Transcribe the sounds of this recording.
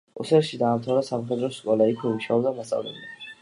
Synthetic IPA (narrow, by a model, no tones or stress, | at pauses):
ṵsɛɾʃid̪aːmt̪ʰavɾasamχɛd̪ɾɔskʼɔlaikʰmɔmiʃaɔbd̪amat̪sʼa̰vlɛ̰bli